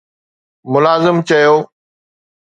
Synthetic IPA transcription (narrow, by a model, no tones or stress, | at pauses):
mʊlaːzɪmt͡ɕɐjoː